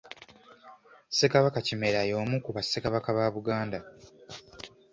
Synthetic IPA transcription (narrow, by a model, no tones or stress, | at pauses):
sekaβakacime̞ɾajo̞ːmukuβasːekaβakaβaːβuɡaːnda